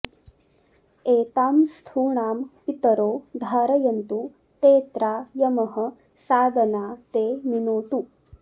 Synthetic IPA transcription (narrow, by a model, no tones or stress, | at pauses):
eːt̪aːmst̪ʰuːɳaːmpit̪ɐɾoːd̪ʱaːɾɐjɐnt̪u | t̪eːt̪ɾaːjɐmɐɦɐ̆ | saːd̪ʱɐnaːt̪eːminoːʈu